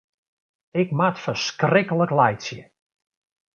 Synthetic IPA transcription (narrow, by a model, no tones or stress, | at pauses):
ɪkmatfəskrɪkələklɛjtsjə